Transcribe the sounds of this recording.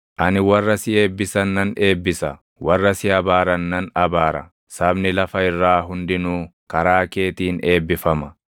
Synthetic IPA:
ʔɐnɪwɐrːɐsɪe̞ːbːɪsɐnːɐne̞ːbːɪsɐ | wɐrːɐsɪɐbaːɾɐnːɐnɐbaːɾɐ̰ | sɐbnɪlɐfɐɪrːaːɦʊnd̪ɪnuː | kɐɾaːke̞ːt̪iːne̞ːbːɪfɐmɐ

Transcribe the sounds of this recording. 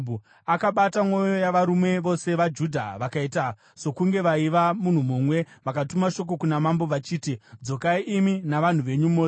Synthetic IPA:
u | akaɓatamo̞jo̞jaʋaɾume̞ʋo̞se̞ʋad͡ʒudʱa̰ʋakaita | so̞kuŋɡe̞ʋaiʋamun̤umumwe̞ʋakatumaʃo̞k̬o̞kunamambo̞ʋat͡ʃiːtid͡zo̞kaiʔiminaʋan̤uʋe̞ɲumoː

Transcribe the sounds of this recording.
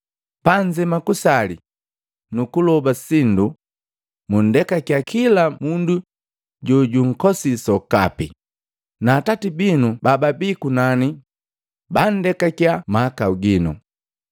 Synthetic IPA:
paɲd͡ʒɛmakusali | nukulɔbasindu | mun̩dɛkakjakʰilamundu | ɟɔɟuŋ̩kɔsisɔkapi | naːtatibinubababikunani | bandɛkakjamaːkauɡinu

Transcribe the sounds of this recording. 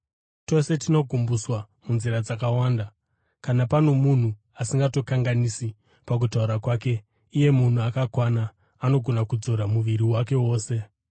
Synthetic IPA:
to̞se̞tino̞ɡʱumbuswa | munziɾad͡zakawaːnda | kanapano̞mun̤u | asiŋɡato̞kaŋɡanisi | pak̬utauɾakwaːke̞ | ije̞mun̤uakakwanaː | no̞ɡʱo̞nakud͡zo̞ɾamuʋiɾiwake̞wo̞ːse̞

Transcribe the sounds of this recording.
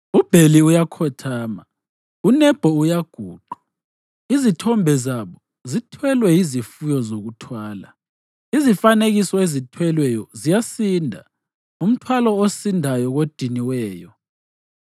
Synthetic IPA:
ub̥ʱeliujakʰɔtʰaːma | unɛb̥ʱɔujaɡ̥ʱuːǃu | izitʰɔmbʱɛzaβɔ | zitʰwɛlwɛjizifujɔzoɣutʰwaːla̰ | izifaneɣisɔezitʰwɛlwɛjɔzijasindʱa̰ | um̩tʰwalɔosindʱajɔɣod̥ʱiniwɛːjɔ

